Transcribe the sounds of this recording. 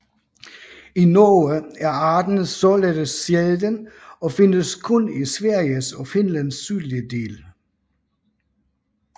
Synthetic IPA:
inoːəæɐɑ̈ːd̥n̩sɒled̥əjeðd̥ənɒ̽fe̝nəskʰɔnisʋæɐ̰jəsɒfe̝nlænsːyːliəd̥e̝̰ːl

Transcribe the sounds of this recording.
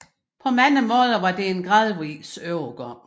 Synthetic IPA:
pʰɒ̽mænəmɔ̽ːð̞ˠəʋɑ̈d̥e̝enɡ̥ʁɑðˠʋisøʊɡ̥ɒ

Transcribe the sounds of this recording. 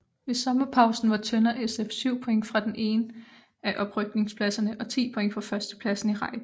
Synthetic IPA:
ʋe̝sɒ̽mɐpʰɑ̈ʊsn̩ʋɑ̈t͡sʰœnɐʔesefsyʊ̰pʰo̽eŋfʁɑ̈d̥enʔe̝̰ːnə | æʔɒ̽b̥ʁœɡ̥̚ne̝ŋspʰlæsɐnəʔɒ̽t͡sʰḭːpʰo̽e̝ŋ̰fʁɑ̈fɶɐsd̥ə̥pʰlæsn̩iʁɑ̈ɪ̰̥

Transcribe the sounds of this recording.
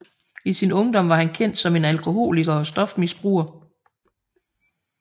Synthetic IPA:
isinɔ̽ŋd̥ɒ̽m̰ʋɑ̈hænkʰen̰d̥sɒ̽me̝nælkʰo̝ɦo̝̰ːliɡ̥ɐːsd̥ɒ̽fmisb̥ʁṵːɐ

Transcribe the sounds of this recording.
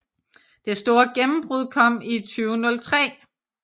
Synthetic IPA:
d̥e̝sd̥o̝ːɐɡ̥emm̩b̥ʁuð̞ˠkʰɒ̽m̰it͡sʰyːʊnɔ̽lt͡sʰʁɛ̰ː

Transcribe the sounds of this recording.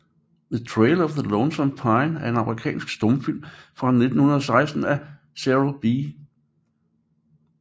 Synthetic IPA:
ðət͡sʰʁeɪlɒfðəlɔnsɒnpʰɑ̈ɪnæɐe̝nɑ̈məʁikʰɛ̰ːnsɡ̥sd̥ɔmfil̰mfʁɑ̈ne̝d̥n̩hunɐðˠɒ̽sɑ̈ɪsd̥n̩æ | sæʁob̥i

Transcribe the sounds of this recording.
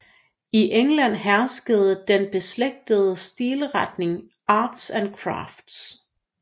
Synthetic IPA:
iʔeŋlæn̰ɦæɐsɡ̥əð̞̩ˠəd̥enb̥e̝sleɡ̥̚d̥əð̞ˠəsd̥iːləʁad̥ne̝ŋ | ʔɑ̈ːd̥sænkʰʁɑ̰̈ːfd̥s

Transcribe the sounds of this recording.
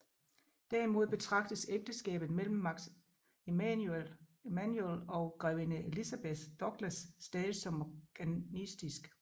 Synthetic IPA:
d̥æɐ̰imo̝ð̞ˠb̥e̝t͡sʰʁɑ̈ɡ̥d̥əseɡ̥̚d̥əsɡ̥ɛ̰ːb̥ð̩ˠmel̰m̩ːɑ̈ɡ̥ | elmænjuelɒ̽ʊɡ̥ʁɛʊinəelisæb̥eθd̥ɒ̽ɡ̥lɐsːd̥ɛːðsɒ̽mɡ̥ænisd̥isɡ̥

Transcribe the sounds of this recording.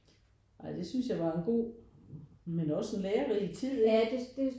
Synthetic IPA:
ʔɑ̈ɪd̥e̝synsjɑ̈ɪʋɑ̈e̝nɡ̥o̝̰ː | menɒ̽se̝nleːɐʁit͡sʰið̰ˠdd̥e

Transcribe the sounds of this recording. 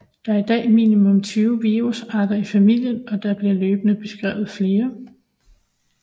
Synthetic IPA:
d̥ɑ̈æɐid̥ɛ̰ːmḭːnimɔ̽mt͡sʰyːʊʋiʁusɑ̈ːd̥ɐifæmil̰jənɒ̽d̥ɑ̈b̥liɐløːb̥ənəb̥e̝sɡ̥ʁɛ̰ːʊð̞̩ˠfle̝ːɐ

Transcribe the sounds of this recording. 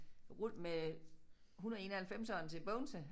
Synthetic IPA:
ʁud̥̰me | ɦunɐð̩ˠe̝ːnɐhælfem̰sɒːnt͡sʰe̝b̥ɔʊnsə

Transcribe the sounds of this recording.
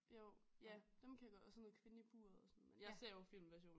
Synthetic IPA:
jo̰jæd̥emkʰæjɑ̈ɡ̥ɒdsɔnːoːð̩ˠkʰʋe̝nəib̥uːɐ̰ðˠɒsɔn̩menjɑ̈ɪse̝ɐ̰jofil̰mʋæɐɕo̝̰ːn

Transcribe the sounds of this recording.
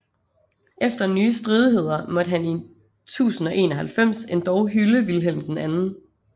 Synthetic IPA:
ʔefd̥ɐnyːəsd̥ʁiðˠiɦe̝ð̞̰ˠɐmɒ̽d̥əɦæni | t͡sʰṵːsn̩ɒ̽ʔe̝̰ːnɒɦælfem̰se̝nd̥ɒʊɦyləʋilɦel̰m̩d̥enænn̩

